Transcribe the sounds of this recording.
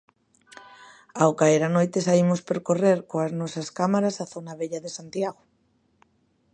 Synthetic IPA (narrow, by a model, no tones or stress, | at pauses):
awkaeɾanojt̪esaimʊspeɾkoreɾkoaznɔsɐskamaɾasaθonaβeʎaðesant̪jaɣo